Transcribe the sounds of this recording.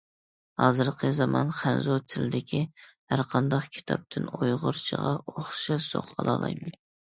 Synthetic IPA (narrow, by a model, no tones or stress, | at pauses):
hɑːzɨɾqʰəzɑmɑnχænzot̪ʰɪlɪd̪ɪkʲʰihæɾqʰɑnd̪ɑχkʲʰi̥t̪ʰɑ̰p̚t̪ʰɪnojʁʊɾt͡ʃʰəʁɑʔoχʃɨso̰qɑlˠɑ̰ːlˠɑ̰jmɛn